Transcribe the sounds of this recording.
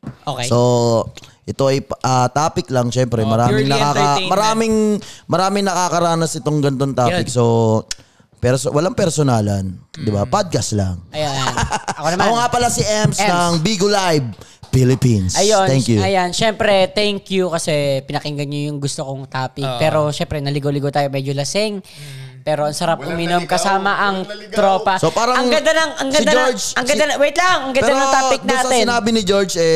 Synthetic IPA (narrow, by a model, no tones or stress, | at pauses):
ʔokesso | ʔɛt̪oʔɐjʔɐt̪aːpɪklɐŋʃɛmpɾɛmɐɾaːmɪŋnɐkaːkɐmɐɾaːmɪŋmɐɾaːmɪŋnɐkakɐɾaːnɐsʔɪt̪oŋɡɐnɪt̪ont̪aːpɪkso | pɛɾsowɐlaŋpɛɾsonaːlɐnd̪ɪbapad̪̚kɐst̪la̰ŋjaɐkoɐoŋapɐlasiʔɛmsnɐŋbiɡolajb̚ | filɪpinnsɐjonɛŋkjuɐjanʃɛmpɾɛt̪ɛŋkjukɐsɛpɪnɐkɪŋɡɐnɲojʊŋɡʊst̪okoŋt̪aːpɪkpɛːɾo̞ʃɛmpɾɛnɐlɪɡolɪɡot̪aːjomɛd͡ʒolɐsɪŋ | pɛːɾo̞ʔɐŋsɐɾap̚ʔʊminomkɐsaːmɐʔɐŋt̪ɾo̞ːpɐsopaːɾɐɐŋɡɐnd̪anɐŋɐŋɡɐnd̪anɹd͡ʒʔɐŋɡɐd̪awɛjt̪lɐŋɐŋɡɐnp̪ːanɐŋt̪aːppɪk̚d̪aːt̪ɪnaːbɪnɪd͡ʒoɹd͡ʒɛ